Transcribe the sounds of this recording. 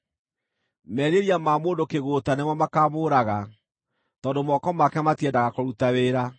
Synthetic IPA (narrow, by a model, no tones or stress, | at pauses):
mɛɾeɾiamaːmoːndokeɣoːtanemɔmakaːmoːɾaɣa | tɔːndomɔkɔmakɛmatiɛndaɣakoɾutaweːɾa